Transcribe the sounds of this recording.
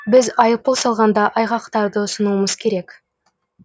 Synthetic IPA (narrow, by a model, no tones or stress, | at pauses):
bɪzɑjəp̚polˠsɑlˠʁɑnd̪ɑʔɑjʁɑqt̪ɑɾd̪əʊsənuəməzkʲʰe̞ɾek